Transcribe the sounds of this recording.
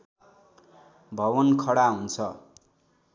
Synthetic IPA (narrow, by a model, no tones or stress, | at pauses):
bʱʌwʌnkʰʌɽaɦunt͡sʰʌ